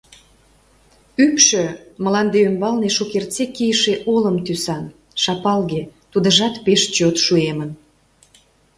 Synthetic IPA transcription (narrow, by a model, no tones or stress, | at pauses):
ypʃøməlɑnd̪eømbɑlneʃokert͡sekijəʃeʔoləmt̪ysɑn | ʃɑpɑlɣet̪ud̪əʒɑt̪peʃt͡ɕot̪ʃuemən